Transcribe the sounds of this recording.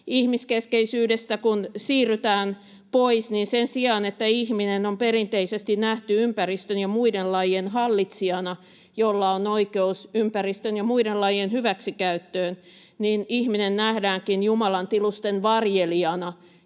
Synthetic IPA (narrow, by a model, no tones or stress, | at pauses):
ihmiskeskeisyːdest̪ækunsiːryt̪æːn | poisninsensiɑnet̪ːæihminenomperint̪eisest̪innæht̪yympærist̪ønjɑmuidellɑijenhɑlːit̪siɑnɑ | jolːɑonoikeusympærist̪ønjɑmuidellɑjenhyʋæksikæyt̪ːøːn | niːnihminennæhdæːŋkinjumɑlɑnt̪ilust̪enʋɑrjeliɑnɑ